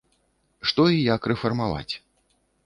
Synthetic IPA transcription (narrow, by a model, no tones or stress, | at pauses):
ʂt̪ɔijakrɛfɐrmava̰t͡sʲ